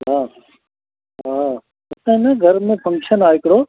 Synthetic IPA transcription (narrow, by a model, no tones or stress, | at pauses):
ɦaː | ɦaː | ɐt̪ẽnɐɡʱɐɾmẽpʰɐ̃ŋkʃənaːɪkɽo